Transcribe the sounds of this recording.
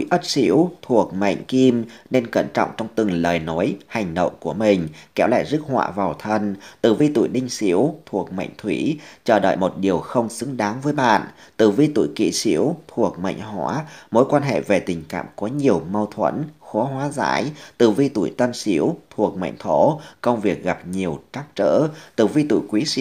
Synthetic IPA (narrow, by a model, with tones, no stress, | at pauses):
tu˧˨˩jʔə˦˥t̚sḭ˧˥əwt̪ʰu˨˩ək̚ma̰˧˨jŋ̟ki˧mne˧nkə˧˩nt͡ɕɔ̰˧˨wŋ͡mt͡ɕɔ˧wŋ͡mt̪ɨ˨˩ŋləː˨˩jnɔ˨˦jha˨˩jŋ̟ɗə̰˧˨wŋ͡mku˧˩əmï˨˩ŋ̟kɛ˨˦wla̰ː˧˨jzɨ˦˥k̚hwa̰ː˧˨vaː˨˩wt̪ʰə˧nt̪ɨ˨˩vi˧t̪ṵ˧˩˨jɗï˧ŋ̟sḭ˧˥əwt̪ʰu˨˩ək̚ma̰˧˨jŋ̟t̪ʰwi˧˩t͡ɕəː˧˩ɗə̰ː˧˨jmo˨˩t̚ɗi˨˩əwxə˧wŋ͡msɨ˨˦ŋɗaː˨˦ŋvəː˨˦jɓa̰ː˧˨nt̪ɨ˧˨˩vi˧t̪ṵ˧˨jkḭ˧˨sḭ˧˥əwt̪ʰu˨˩ək̚ma̰˧˨jŋ̟ɦaː˧˨˩mo˨˦jkwaː˧nɦḛ˧˨ve˨˩t̪ï˨˩ŋ̟ka̰ː˧˨mkɔ˨˦ɲi˨˩əwmə˧wt̪ʰwə̰˧˥nxɔ˨˦ɦwaː˨˦za̰ː˧˥jt̪ɨ̰˧˨˩vi˧t̪ṵ˧˩˨jt̪ə˧msi˧˦əwt̪ʰu˨˩ək̚ma̰˧˨jŋ̟t̪ʰo˧˩kə˧wŋ͡mvi˨˩ək̚ɣa˨˩p̚ɲi˨˩əwt͡ɕa˦˥k̚t͡ɕə̰ː˧˥t̪ɨ˧˩vi˧t̪ṵ˧˨jkwi˨˦˧